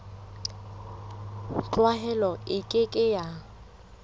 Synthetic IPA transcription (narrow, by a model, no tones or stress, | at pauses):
t͡ɬʼwaɦɛlɔɪkʼɪkʼɪja